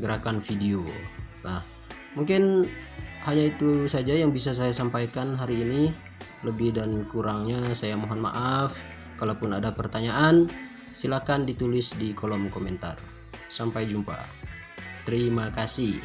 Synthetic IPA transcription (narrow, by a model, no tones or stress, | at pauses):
ɡəɾakanfideonah | muŋkɪn | haɲait̪usad͡ʒajaŋbis̬as̬ajasampajkanɦaɾiːni | ləbɪhdankuɾaŋɲasajamoɦɔnma̰ʔaf | kalapʊnadapərt̪aɲaʔan | silakandit̪ulɪsdikɔlɔmkɔmɛnt̪a̰r | sampajd͡ʒumpa̰ | t̪əɾimakasih